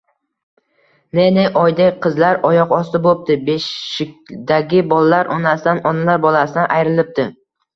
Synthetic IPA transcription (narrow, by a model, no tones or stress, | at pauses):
nenɪʔɒjd̪aqʰɨzlaɾɒjɒqɒst̪ɪbop̚t̪ɪbeʃɪk̚ʲd̪aɡʲɪbɒlalaɾʔɒnasɪd̪anɒnalaɾbɒlˠasɪnɪʔajɾɪlɪp̚t̪ɪ